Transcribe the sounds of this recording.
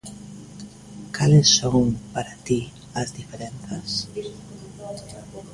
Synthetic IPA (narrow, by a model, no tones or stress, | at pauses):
kalesːoŋpaɾat̪i | azd̪ifeɾenθas